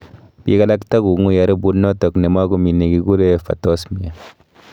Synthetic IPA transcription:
bḭ˦ka˦la˦kta˦ɡu˨˦ŋu˦ja˨ɾi˦bu˦nːo˦to˨kne˨ma˦ɡu˦mi˨ne˨ɡi˨ɡu˦ɾe˦fa̰˨to˦smi˨a˨

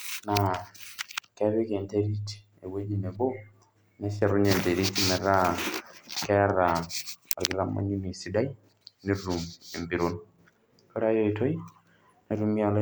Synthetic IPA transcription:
na˨ | kɛ˦βi˦ke˨nte˦ɾi˦t | e˨we˦d͡ʒi˨ne˨bo˦ | ne˦sa˨ɾu˦ɲe˨nte˨ɾi˦ti˦mɛ˨ɾa˦ | kɛ˦a˦ra˨a˨ɾɡi˨˦ɾa˦ma̰˦ɲu˦ni˨si˦da˦i˦ | ne˦ru˨me˨mbi˨ɾo˦n | ko˦ɾa˦jo˦i˨to˦i˦ | na˨ɾu˦mi˦a˦l

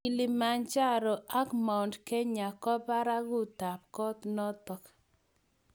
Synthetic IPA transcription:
i˨lɪ˨ma˨nt͡ʃa˦ɾɔ˨a˦kma˨ndkɛ˦ɲa˨kɔ˦pa˦ɾa˦ɣʊ˦ta˨p̚kɔ˦t̪nɔ˦tɔ˨k

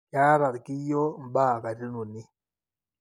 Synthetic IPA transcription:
ka˦ɾa˨ɾki˦jɔ˦m̩˨baː˦˨ka˨ti˦nu˨ni˦

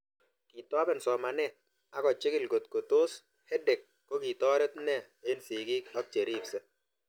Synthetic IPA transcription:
ki˨tɔ˦bɛ˨nsɔ˨ma˨nɛ˦˨t̚ | a˨˦kɔ˨t͡ʃɪ˦kɪ˦lɡo˨tko˨to˦s | hɛ˦de˨kːɔ˦ki˨tɔ˦ɾɛ˦tnɛ˦˨ | e˦nsi˨ɡi˦kɔ˦k̚t͡ʃe˨ɾi˦psɛ˦

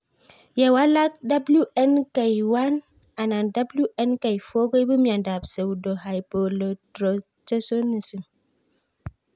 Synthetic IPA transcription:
je˨wa˦la˦k̚da˦blu˦ɛ˦nka˨jwa˦n | a˨na˨nda˦blu˦ʔɛ˦nka˨jfo˦ɡo˦jbu˦m˦a˨nda˨bse˨wdo˨ɦa˨jpo˨lo˨tɾo˨ | t͡ʃe˦so˦ni˨si˨m

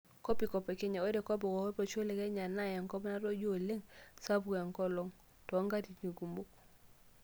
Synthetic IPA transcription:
kɔ˦pi˨kɔ˨pɛ˨ke˦ɲa˨o˦dɛ˨kɔ˦b̬ɔ˨kɔ˨ɔ˦pɔ˨t͡ʃo˦le˨kɛ˦ɲa˨na˦jɛ˨ŋkɔ˦bna˦ɾɔ˦d͡ʒo˦˨le˦ŋsa˦bu˨ɛ˨ŋkɔ˦lɔ˨ŋ | tɔ˨˦ŋɡa˦ti˨ni˨ɡu˨mbu˦k

